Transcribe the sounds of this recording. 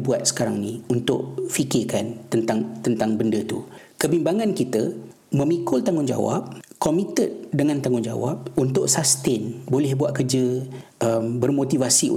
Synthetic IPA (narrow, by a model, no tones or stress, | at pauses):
buat̪̚sə̥kaɾaŋniunt̪ʊ̰ʔ̚fikɪrkant̪ənt̪aŋt̪ənt̪aŋbəndət̪ukəbimbaŋãnkit̪ə | mə̃mikʊlt̪aŋʊnd͡ʒa̰wa̰p̚komit̪ət̪̚dəŋãnt̪aŋʊnd͡ʒa̰wa̰p̚unt̪ʊʔsast̪ɪnbolɛhbuat̪̚kərd͡ʒəʔəmbərmot̪ivasḭ